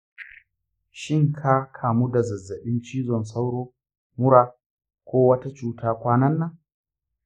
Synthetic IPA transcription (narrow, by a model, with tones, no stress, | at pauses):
ʃɪ˦˨ŋkʰaː˦kʰaː˨mu˦da˨zɐ˨zːɐ˨ɓɪ˦nt͡ʃiː˦zɔ˨nsa˦wɽoː˦ | mʊ˦ɽaː˨ | kʷoː˦wɐ˦ta˦t͡ʃuː˦tʰaː˦kʷaː˦nɐ˦nːa˨˦